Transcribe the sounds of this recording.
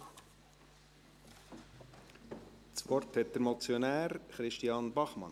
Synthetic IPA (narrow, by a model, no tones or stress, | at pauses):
t͡sʋɔrthɛt̚d̥̪əɾmɔt͡sjonæːɾχɾɪʃtiɑnbɑχmɑ̰n